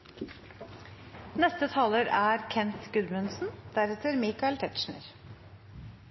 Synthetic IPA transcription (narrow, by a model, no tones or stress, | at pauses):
nɛst̪ət̪ʰɑːləɾæːɾkʰɛnt̪ɡʉd̪mʉnsn̩d̪̥æɾɛt̪əɾmiːkɑɛlt̪ʰɛt̪ʃɳə̰ɾ